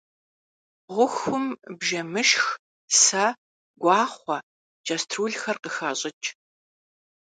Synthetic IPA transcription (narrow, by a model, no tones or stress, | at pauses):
ʁʷʊxʊmbʒɐmɨʃx | sɐ | ɡʷɑːχʷɐ | d͡ʒastʰruːɮxɐrqəxɐɕʼɪt͡ʃʼ